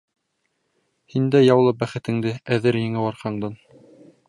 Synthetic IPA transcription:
hind̪æjɑwlˠɤbæχɘ̆t̪ɘ̆ŋd̪ɘæðɘɾjɘ̆ŋɘwɑɾqɑɴd̪ɤn

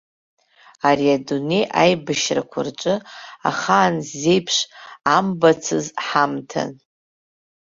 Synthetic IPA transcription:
aɾiadune̞jʔajbɨʃrakʷʰart͡ʃʷʼɨaχaːnzːe̞jpʰʂambat͡sʰɨzħamtʰa̰n

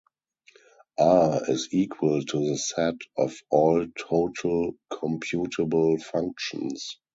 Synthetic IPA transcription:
ʔaɪziːkʰwəltʰuðəsɛtɔfɔːltʰoʊtʰəlkʰɔ̃mpʰjuːtʰəbəl̩fãŋk̚ʃɔ̰̃ns

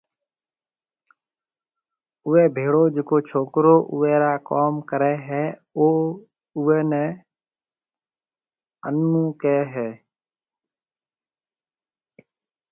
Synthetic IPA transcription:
ʊʋɛːbʱeːɽoːd͡ʒɪkoːt͡ʃʰoːkɾoːʔʊʋɛːɾaːkoːmkəɾɛːɦɛːoː | ʊʋɛːnɛː | ənːũːkɛːɦɛː

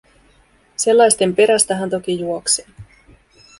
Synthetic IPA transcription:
se̞lːɑjst̪e̞mpe̞ɾæst̪æɦænt̪o̞kijuokseː

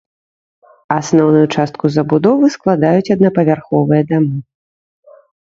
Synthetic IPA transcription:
asnɔwnujut͡ʂast̪̚kuzɐbud̪ɔvɨsklˠad̪ajut͡sʲɐd̪nɐpɐvʲarxɔvɨjɐd̪amɨ

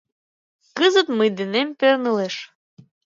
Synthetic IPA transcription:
kəzət̪mɨjd̪enempernɨleʃ

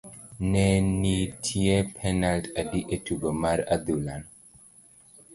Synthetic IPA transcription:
nenitʰiepʰɛnaltadiʔetubəmaɾad̪ulan

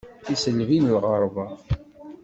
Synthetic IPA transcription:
isənvinəlʁəɾˤvɑ

